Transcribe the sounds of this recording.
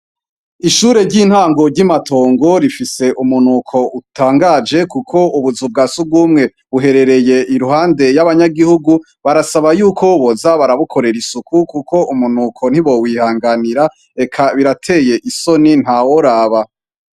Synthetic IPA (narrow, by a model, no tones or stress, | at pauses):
iʃuːɾe̞ɾɟin̥haːŋɡo̞ɾɟimato̞ːŋɡo̞ɾifise̞ʔumunukʰo̞ʔutaːŋɡaːd͡ʒe̞kukʰo̞uβuzub̚ɡaːsubɡuːmŋe̞ | βuɦe̞ɾe̞ɾe̞je̞ʔiɾuhaːnde̞jaβaɲaɡihuɡu | βaɾasaβajuːkʰo̞βozaβaɾaβukʰo̞ɾe̞ɾisukukukʰo̞ʔumunukʰo̞n̥hiβo̞wiːhaːŋɡaniɾa | e̞kʰaβiɾatʰe̞ːje̞ʔiso̞nin̥hawo̞ɾaːβa